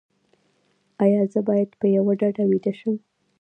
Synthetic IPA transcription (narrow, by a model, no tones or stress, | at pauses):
ɑjɑzəbɑjad̪pəjawaɖaɖawid̪əʃəm